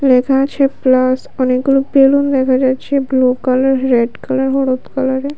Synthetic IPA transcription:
lekʰat͡ɕʰeplas | ɔnek̚ɡulopelund̪ɛkʰad͡ʑatːɕʰeblukalaɾːeɖkalaɾɦɔɽot̪kalaɾe

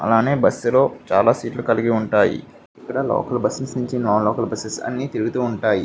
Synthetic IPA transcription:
ɐ̰laːne̞ːbɐsːlo̞ːt͡ʃaːlaːsiːʈlukɐliɡiuɳʈaːjḭ | ikːɐɽɐlɔ̰ːkɐlbɐsɐsnuɲt͡ʃinaːlɔːkɐlbɐsɐsɐ̰nːit̪iɾuɡut̪uːɳʈaːji

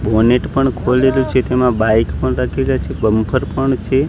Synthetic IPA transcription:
boneʈpəɳkʰolelũt͡ʃʰet̪emãbajkpəɳɾakʰeljat͡ʃʰebəmpʰəɾpəɳt͡ʃʰe

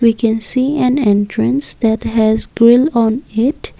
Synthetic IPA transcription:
wikʰɛ̃nsiæ̃nɛ̃nʈʰɾə̃nsd̪æʈɦæzɡɾɪlɔ̃nɪʈ

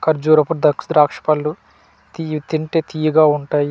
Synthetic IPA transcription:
kɐɾd͡ʒuːɾɐpuɾd̪ɐksd̪ɾaːkʂɐ̥pɐlːu | t̪it̪iɳʈeːt̪ijɐɡaːuɳʈaːji

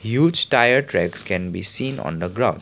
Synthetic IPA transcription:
hjuːd͡ʒʈajəɾʈɾɛkskɛ̃nbisĩːnɔ̰̃nd̪əɡɾãʊ̃nɖ

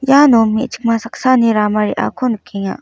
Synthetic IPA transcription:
jaːnomḛʔt͡ʃi̥k̚masaksaneɾamaɾḭʔa̰kʰonəkʰːejã̰

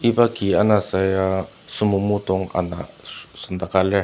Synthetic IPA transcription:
ibakianasaja | sumumut̪oŋa̰na̰sand̪akale

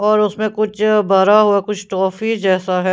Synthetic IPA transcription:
ɔːɾʊsmẽkʊt͡ʃʰbɐɾaɦuakʊt͡ʃʰʈɾɔːfid͡ʒɛːsaɦɛ

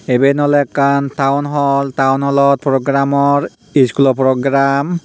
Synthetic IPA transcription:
ebenɔlɛkantawnɦɔltawnhɔlɔt̚pɹɔɡɹamɔɹ | iskulɔpɹɔɡɹam

